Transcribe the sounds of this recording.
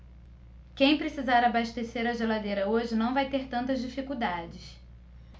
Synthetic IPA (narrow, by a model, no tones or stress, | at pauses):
kẽj̃pɾesizaɾabaʃt̪eseɾɐʒelad̪ejɾɐoʒɪnɐ̃w̃vajt̪eɾt̪ɐ̃nt̪ɐzd͡ʒifikud̪ad͡ʒɪs